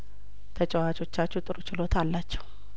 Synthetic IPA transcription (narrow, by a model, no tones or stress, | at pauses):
t̪ʰət͡ʃʼɛwat͡ʃo̞t͡ʃːat͡ʃːɛt̪ʼɨɾut͡ʃɪlo̞t̪ʰalːat͡ʃːɛ̥w